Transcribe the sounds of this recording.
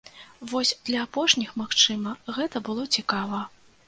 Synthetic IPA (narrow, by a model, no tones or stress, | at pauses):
vɔsʲd̪̥lʲɐːpɔʂnʲixmaxt͡ʂɨmɐɣɛt̪ɐbɨlˠɔt͡sʲikavɐ